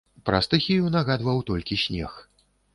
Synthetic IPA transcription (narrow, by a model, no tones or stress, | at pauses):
pɾa̰st̪ɨxʲijunaɣad̪vɐwt̪ɔlʲkʲisʲnʲɛ̰x